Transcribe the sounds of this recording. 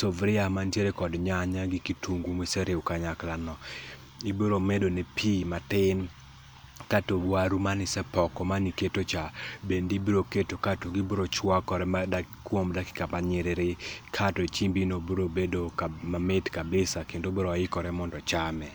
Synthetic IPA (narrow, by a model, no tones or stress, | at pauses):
sovɾɪamantjeɾekɔdɲaɲaɡɪkitʰuŋɡumɪsɛɾɪukaɲaklanɔ | iboɾomedonepʰimatɪn | katobwaɾumanɪsɛpɔkɔmaniketot͡ʃabendibiɾoketokatoɡiboɾot͡ʃwakɔɾɛmadakwomdakɪ̥kapaɲɪɾɪɾɪkʰatɔt͡ʃimbinoboɾobedokamamɪtkabɪsakendoboɾoaɪkɔɾɛmɔndɔt͡ʃamɛ